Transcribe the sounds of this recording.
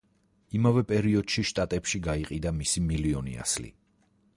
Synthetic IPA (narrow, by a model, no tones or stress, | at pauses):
imavɛpʼɛɾiɔd̪̥ʃiʃt̪ʼat̪ʼɛpʃiɡaiqʼid̪amisimiliɔnḭa̰slḭ